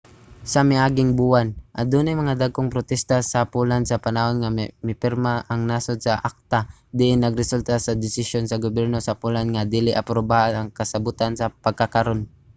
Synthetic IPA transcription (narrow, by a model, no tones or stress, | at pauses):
sɐmɪʔaːɡɪŋbuwanʔɐd̪uːnajmɐŋad̪aɡ̚koŋpɾot̪ɛst̪asɐpulansɐpɐnahonŋamɪpɪɾmaʔɐŋnaːsod̪̚sɐʔak̚t̪a | d̪ɪʔɪnːɐɡɾɛsult̪asɐd̪ɪsɪʃjonsɐɡobjɛɾnosɐpulanŋad̪iːlɪʔɐpɾobaʔanɐŋkɐsɐbʊt̪ansɐpɐɡ̚kakaɾon